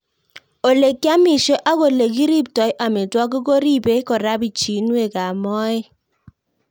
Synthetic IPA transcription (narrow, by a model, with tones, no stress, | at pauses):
o˨le˨kːja˦mi˨ʃo˦ʔa˦ko˨le˨ki˦ɾi˦ptɔ˨jʔa˨mi˨twɔ˦k̬i˦ko˦ɾi˦be˦kɔ˨ɾa˦bi˨t͡ʃi˨nwe˨ka˨mɔ˦ɪ˦